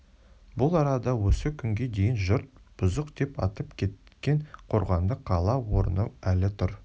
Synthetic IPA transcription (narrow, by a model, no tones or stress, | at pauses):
bʊlˠɑɾɑd̪ɑwɵsəkʲʰʏŋɡʲe̞d̪e̞jɪnʒʊɾt̪̚b̥ʊzəqd̪e̞pɑ̰t̪əpkʲʰe̞t̪kʲe̞ɴqʰo̞ɾʁɑmd̪əqʰːɑlˠɑwo̞ɾə̰nəælɪt̪ʰʊɾ